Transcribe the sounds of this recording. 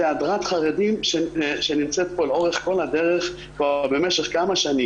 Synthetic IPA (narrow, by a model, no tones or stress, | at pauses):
ead̪ʁat̪χaʁe̞dimʃeʃenimt͡set̪̚po̞lo̞ʁeχko̞lad̪e̞ʁeχ | pobe̞me̞ʃe̞χkamaʃani